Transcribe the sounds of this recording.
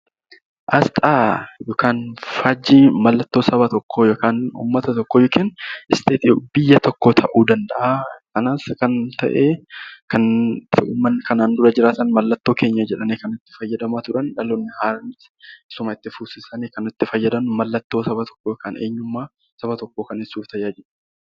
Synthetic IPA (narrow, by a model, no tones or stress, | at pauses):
ʔɐst̪ʼaːjoːkaːnfaːd͡ʒːiːmɐlːɐt̪ːo̞ːsɐβɐt̪ɔkːojoːkaːnṵːmːɐt̪ɐt̪ɔkːoːjɔkɪːnɪst̪ʰeːt̪ɪjobɪjːɐt̪ɔkːoːt̪ʰɐʔuːd̪ɐnd̪ɐʔakɐnaːskɐnt̪ɐ̰ʔeːkɐnː | mːɐnːkɐnaːnd̪ʊɾɐd͡ʒɪɾaːt̪ɐnmɐlːɐt̪ːo̞ːke̞ːɲːɐd͡ʒɛᶑɐneːkɐnʊt̪ːɪ̥fɐjːɐd̪ɐmaːt̪ʊᶑɐnᶑɐlɔnːɪhaːɾɐmɪt | ɪsʊmɐɪt̪ːɪfuːsɪsɐneːkɐnʊt̪ːɪfɐjːɐd̪ɐmmɐlːɐt̪ːoːsɐbɐt̪ʰɔ̥kːoːjoːkaːneːɲːʊmːaː | sɐbɐt̪ɔkːo̞ːkɐnɪsːuːft̪ɐjaːd͡ʒɛᶑɐ